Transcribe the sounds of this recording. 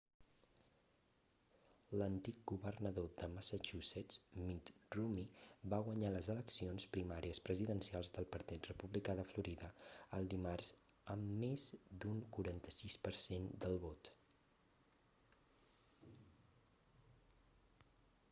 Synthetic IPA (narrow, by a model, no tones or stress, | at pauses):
lənt̪ik̚ɡuβərnəðod̪əməsət͡ʃuzɛt͡smit̪rumibaɣ̞wəɲaləzələksionspɾimaɾiəspɾəziðənsialˠzðəlˠpəɾt̪it̪rəpuβlikaðəfluɾiðəəlˠd̪imarz̥əmːezd̪uŋkuɾant̪ə̥sispəɾsend̪əlˠβot̪